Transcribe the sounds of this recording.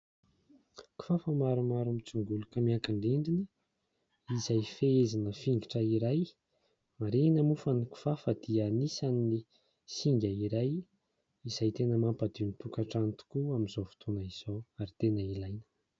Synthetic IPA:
ku̥fafəmaɾumaɾumit͡suŋɡulukəmiaŋkaɳɖ͡ʐiɳɖ͡ʐini | izajfeezinəfiŋɡiʈ͡ʂəiɾaj | maɾinəmufaniku̥fafəd̪̥ianisanni | siŋɡʲəiɾaj | izajt̪enəmampad̪init̪ukaʈ͡ʂant̪u̥kuamizofi̥t̪ʰonəiz̥oaɾit̪enəilajnə̥

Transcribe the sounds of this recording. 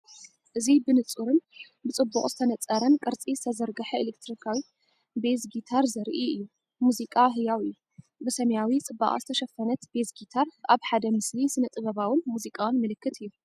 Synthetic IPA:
ʔɨzibɨnɨt͡sʼuɾɨn | bɨt͡sʼɨbːukʼzɨt̪ʰɐnɐt͡sʼːɐɾɐnkʼɨɾt͡sʼizɨt̪ʰɐzɐɾɡɐħɐilekt̪ʰɾikʰawi | bezɡit̪ʰaɾzɐɾʔiɨjːu | muzikʼaɦɨjawɨjːu | bɨsɐmɐjawit͡sʼɨbːa̰χʼa̰zɨt̪ʰɐʃɐfɐnɐt̪bezɡit̪ʰaɾʔaβħad̪ɐmɨslisɨnɐt̪ʼɨβɐβawɨnmuzikʼawnmɨlɨkːɨt̪ɨjːu

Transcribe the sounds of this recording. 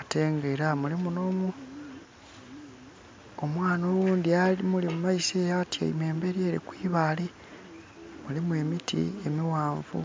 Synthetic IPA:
ate̞ːŋɡeɾamulimuno̞mu | omwaːnowuːndialimulimumaisejatja̰ḭme̞ːmbe̞ɾje̞ːɾḭkwiːβali | mulimue̞mitʰḭe̞miwaːɱvṵ

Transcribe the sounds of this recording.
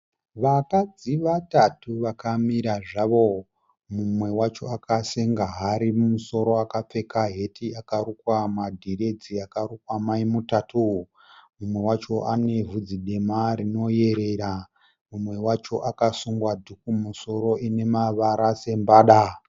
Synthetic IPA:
ʋakad͡ziʋatatuʋakamiɾaʐaʋo̞ | mumwe̞wat͡ʃo̞akaseŋɡaɦaɾimumuso̞ɾo̞akap͡fe̞kaɦe̞tʰiakaɾukwamadʱire̞d͡ziakarukwamaimutatʰu | mumwe̞wat͡ʃo̞ʔane̞vʱud͡ziɗe̞maɾino̞je̞ɾe̞ɾa | mumwe̞wat͡ʃo̞ʔakasuŋɡwadʱukumuso̞ɾo̞ʔine̞maʋaɾase̞mbaːɗa

